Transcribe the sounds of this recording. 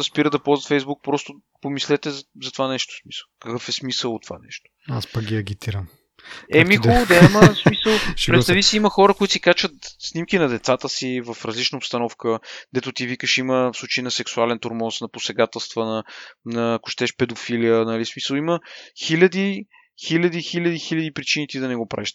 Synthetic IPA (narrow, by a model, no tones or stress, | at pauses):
ɐspiɾəd̪ɐpɔlˠzət̪fɛjzbuk̚pɾɔst̪ʊ | pomislɛt̪ɛzzɐt̪ovanɛʃt̪ʊ̥smi̥sə̥lˠkɐkɤfɛsmisəlˠt̪ova̰nɛ̰ʃt̪o̥aspɐɡɡʲiɐɡʲit̪iɾəm | ɛmixʊd̪ɛiməsmisəlˠpɾɛt̪t̪avisiiməxɔɾəkoʊit̪sikat͡ʃət̪snimkinɐd̪ɛt̪sat̪əsivɐfɾɐzlit͡ʃnɐopst̪ɐnɔfkəd̪ɛt̪ʊt̪ivikəʃiməfslˠut͡ʃəinɐsɛksualɛnt̪oɾmɔsnɐposɛɡat̪ɛlˠst̪vənɐnɐːkʊ̥ʃt̪ɛʃpɛd̪ofilijənɐlismisəlˠiməxilʲɐd̪i | xilʲɐd̪ixilʲɐd̪ixilɐd̪ipɾit͡ʃinit̪id̪ɐnɛɡopɾa̰viʃt̪